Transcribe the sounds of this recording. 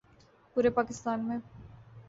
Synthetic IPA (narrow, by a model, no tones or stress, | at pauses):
puːɾepaːkɪst̪aːnmẽ